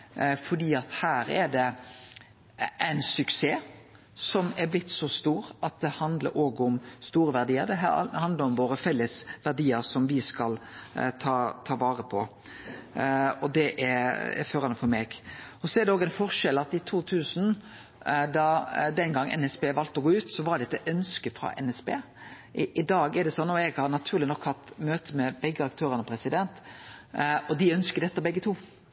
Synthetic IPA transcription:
fɔɖiːɑt̪hæːɾɛd̪ɛ | ʔæɪnsʉkseː | sɔmɛɾblɪt̪ːsɔst̪uːɾɑt̪̚d̪ɛhɑnd̪lə̰ɾʔoːɡʊmst̪uːɾəʋæɾd̪iːəɾd̪ɛɦæ̰hɑnd̪ləɾɔmʋoːɾəfɛlːəsʋædiːəɾsɔmʋɪskɑlt̪ʰɑːt̪ʰɑːʋɑːɾəpʰɔ | ɔd̪ɛʔɛɾɛ̰føːɾɑnəfɔɾmeːɡɔsɔɛɾɖ̪ɛoːɡænfɔɾʂɛlɑt̪ːɪt̪ʰuːt̪ʰʉːsn̩ | d̪ɑd̪ɛnɡɑŋːɛ̰nɛspeːʋɑlt̪ɔɡoːʉːt̪sɔʋɑɾɖ̪ɛt̪ːɛʔœnskəfɾɑ̰ʔɛ̰nɛspḛː | ʔɪʔɪd̪ɑːɡɛɾɖ̪ɛsɔnːɔɛɡhɑɾnɑt̪ʰʉːɾlɪnɔkhɑt̪ːmøːt̪ʰəmɛbɛɡːəɑkt̪ʰøːɾənəpʰɾɛsɪd̪ɛnt̪ | ɔd̪ɪœnskəɾd̪ɛt̪ːəbɛɡːət̪ʰuː

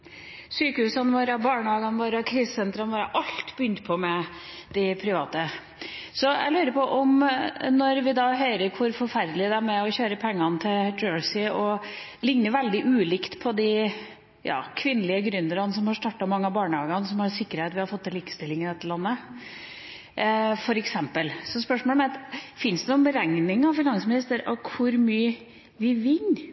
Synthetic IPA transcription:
syːkəhʉːsɑnʋoːɾɑbɑːɳəhɑːɡɑnʋoːɾɑkʰɾiːssɛnt̪ɾɑnʋoːɾɑʔɑlt̪bəʏnt̪pʰɔmɛd̪̥ɪpʰɾɪʋɑːt̪ə | sɔæ̰ɪlʉːɾəpʰɔʔɔmnɔɾʋɪd̪ɑɦœʏɾəɾkʰʊɾfɔɾfæɾd̪lɪd̪ɛæɾmɛɔçøːɾəpʰɛŋːɑnt̪ʰɪld͡ʒøːɹsɪɔ | lɪŋnəʋɛld̪ɪʔʉːlɪkt̪pʰɔd̪ɪ | jɑ̰ːkʰʋɪnːəlɪəɡɾʉnd̪əɾɑnsɔmhɑʂt̪ɑːʈːɑmɑŋːɑbɑːɳəhɑːɡɑnsɔmhɑsɪkːəɾheːt̪ʋɪhɑɾfɔt̪ːɪliːkə̥st̪ɪlːɪŋɪd̪ɛt̪ːəlɑnːə | fɔɾɛksɛmpəlsɔspœʂmɔːləmɛt̪fɪnsd̪ɛnuːənbəɾɛŋnɪŋɑʋfɪnɑŋsmɪnɪst̪əɾɑkʰʊɾmyːə | ʋɪʋɪn

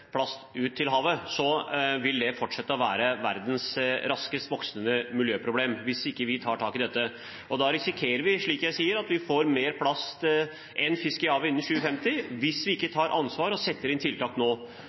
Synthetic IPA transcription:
pʰlɑst̪ʉːt̪ʰːɪlɦɑːʋəsɔʋɪld̪ɛfɔʈʂɛt̪ːəɔʋæːɾəʋæ̰ɾd̪n̩sɾɑskəst̪ʋɔksənəmɪljøːpʰɾʊbleːmʋɪsɪkːəʋɪt̪ʰɑːʈʰɑːkɪd̪ɛt̪ːə | ɔd̪ɑːɾɪsɪkʰeːɾəɾʋɪʂɭiːkjæɪsiːəɾɑt̪ʋɪfoːɾmeːɾpʰlɑst̪ | ʔɛnfɪskəɪhɑːʋəɪnːəɕʉːəfɛmt̪ɪʋɪsʋɪɪkːət̪ʰɑːɾʔɑ̰nsʋɑːɾɔsɛt̪ːəɾɪnt̪ʰɪlt̪ʰɑːknoː

